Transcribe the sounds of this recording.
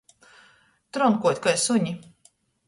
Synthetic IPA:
t̪ɾɔŋkuɔt̪ʲkajsuɲi

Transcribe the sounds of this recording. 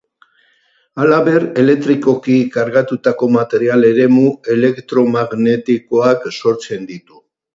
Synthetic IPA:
alaβe̞re̞le̞k̚t̪ɾiko̞kikaɾɣat̪ut̪ako̞mat̪e̞ɾiale̞ɾe̞mue̞le̞kt̪ɾo̞maɣne̞t̪iko̞akso̞ɾt͡se̞nd̪it̪u̥

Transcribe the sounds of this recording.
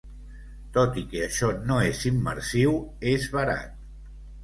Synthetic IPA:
t̪ot̪ikeəʃɔnoezimːə̰ɾsiwezβəɾa̰t̪̚

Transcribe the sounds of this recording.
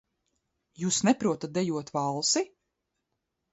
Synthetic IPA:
juːsnɛpɾuɔt̪at̪̚d̪ɛjuɔt̪vɑlˠsi

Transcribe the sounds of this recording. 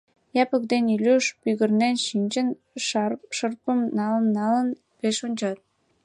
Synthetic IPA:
jɑpəkd̪enilʲyʃpyɣə̆rnenʃinʲt͡ɕən | ʃərpə̆mnɑlənːɑlən | peʃonʲt͡ɕɑt̪̚

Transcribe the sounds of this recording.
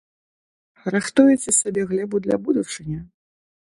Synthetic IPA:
raxt̪ujɛt͡sʲɛsabʲɛɣlʲɛbud̪lʲɐ̰bud̪ut͡ʂɨnʲɐ

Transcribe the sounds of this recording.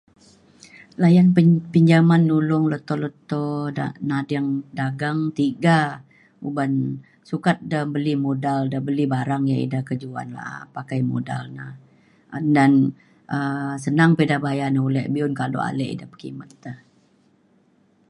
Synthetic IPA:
lajanpiɲd͡ʒamanːulʊŋlot̪ɔlət̪ɔdanadaŋdaɡaŋt̪iɡa | uban | sukat̪̚dabəlimodaldabəlibaɾaŋjaḭdahkəd͡ʒua̰nla̰ʔa̰pakajmo̰da̰lnah | dan | ʔəs̬ənaŋpedabaajanaulɛʔbiʊnkalo̰a̰lɛʔḭdapə̥kḭmət̪a

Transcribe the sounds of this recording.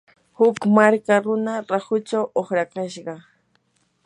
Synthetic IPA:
hʊkmaɾkaɾʊnaɾahʊt͡ʃawoχɾakaʃɢɑ

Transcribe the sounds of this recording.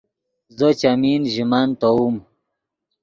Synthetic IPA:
zət͡ɕaminʒimant̪aum

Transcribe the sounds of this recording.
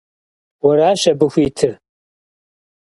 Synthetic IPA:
wɐɾaːɕɐbɨxʷiːtʰɨr

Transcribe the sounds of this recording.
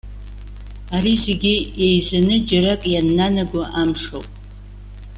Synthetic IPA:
aɾize̞ɡʲijejzanɨd͡ʒaɾakʼjanːanaɡʷʊʔamʂo̰wpʼ

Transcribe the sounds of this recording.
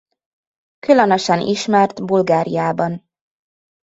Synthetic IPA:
kylønøʃɛnʔḭʃmɛrt̪bulɡaːɾijaːbɒn

